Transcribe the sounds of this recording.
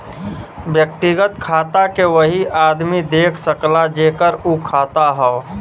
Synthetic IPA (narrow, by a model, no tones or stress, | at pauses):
bjək̚t̪iɡət̪kʰaːt̪akeʋəɦiʔaːd̪mid̪eːkʰsəklad͡ʒeːkəɾukʰaːt̪aɦɛo